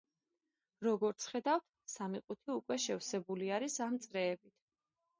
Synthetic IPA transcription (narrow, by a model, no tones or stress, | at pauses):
ɾɔɡɔɾt̪sʰχɛd̪aft̪ | samiqʼut̪ʰiukʼwɛʃɛvsɛbuliaɾisamt̪sʼɾɛːbit̪ʰ